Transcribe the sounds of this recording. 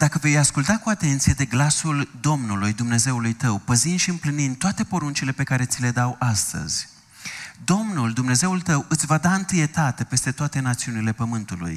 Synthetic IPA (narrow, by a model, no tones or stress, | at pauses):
d̪̥akəve̞jaskult̪akuat̪e̞nt̪sije̞d̪e̞ɡlasuld̪o̞mnulujd̪umne̞ze̞ulujt̪əwpəzind̪ʃiɨmplinint̪oat̪e̞po̞ɾunt͡ʃile̞pe̞kaɾe̞t̪sile̞d̪awʔast̪ə̰z̥ʲ | d̪o̞mnuld̪umne̞ze̞ult̪əwɨt̪sʲvad̪aɨnt̪ɨje̞t̪at̪e̞pe̞st̪e̞t̪oat̪e̞nat̪siunile̞pəmɨnt̪ulṵj